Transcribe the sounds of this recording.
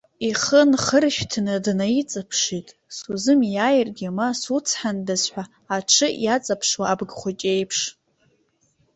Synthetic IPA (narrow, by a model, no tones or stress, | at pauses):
iχənχərʃᶣtʰnɨdnajit͡sʼapʰʂitʼ | suzɨmjaːjɪrɡʲamasut͡sʰħandazħʷaː | ʈ͡ʂʰɨjat͡sʼapʰʂwaːbɡχʷʊt͡ʃʼe̞jpʰʂ